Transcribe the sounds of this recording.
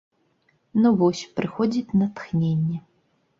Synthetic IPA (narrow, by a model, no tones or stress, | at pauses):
nuvɔsʲpɾɨxɔd͡zʲit͡sʲnɐt̪xnʲenʲːɛ